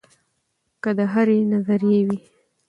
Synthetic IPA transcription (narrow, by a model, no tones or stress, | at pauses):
kəd̪əɦaɾenazaɾijewi